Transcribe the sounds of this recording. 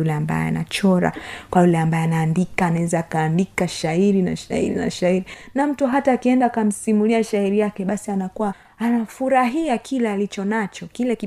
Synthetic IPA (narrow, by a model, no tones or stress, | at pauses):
ulɛamba̰jɛ̰a̰na̰t͡ʃɔɾa̰kwajulɛambajɛanaːndikaːnaɛzaːkaːndikaʃaiɾina̰ʃaḭɾina̰ʃaiɾinam̩tuɦataːkiɛndaːkam̩simuliaʃaiɾijakɛɓasianakuwa | anafuɾaɦiakʰilɛalit͡ʃɔnat͡ʃɔkilɛki